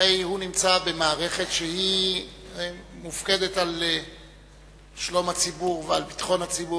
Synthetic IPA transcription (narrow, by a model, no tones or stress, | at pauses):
ejhunimt͡sabe̞maːʁe̞χe̞tʃehi | mufke̞de̞tal | ʃlo̞mhat͡sibuʁvealpi̥t̪χo̞nhat͡sibu